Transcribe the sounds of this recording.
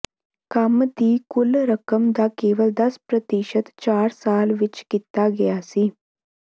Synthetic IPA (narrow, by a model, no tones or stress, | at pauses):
kamət̪iːkʊlɾəkəmd̪akeːʋəld̪ɐspɾət̪iʃət̪t͡ʃaːɾsaːlʋɪt͡ʃkit̪aɡɛjasiː